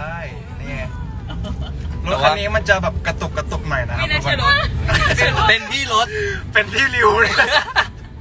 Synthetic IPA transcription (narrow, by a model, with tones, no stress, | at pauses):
a˥˩j | nɛ˨˦ | lo˦˥t̪̚ʔa˧nːiː˦˥ma˧nt͡ɕa˨bɛː˨˩p̚ka˧t̪o˨˩kːa˧t̪o˨˩k̚nɔ˨˩jna˦˧ma˧ | pe˧nt̪ʰiː˥˩lo˦˥t̪̚pe˧nt̪ʰiː˥˩li˧wl